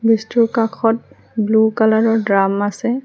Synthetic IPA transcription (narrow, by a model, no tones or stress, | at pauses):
bistukakʰɔt̚ | blukalaɹɔɹdɹamasɛ